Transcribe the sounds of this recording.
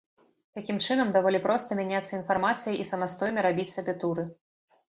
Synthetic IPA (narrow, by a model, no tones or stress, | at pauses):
t̪akʲimt͡ʂɨnɐmd̪avɔlʲipɾɔst̪ɐmʲanʲat̪sːɐinfarmat̪sɨjɐʔisɐmast̪ɔjnɐɾabʲit͡sʲsʲabʲɛt̪uɾɨ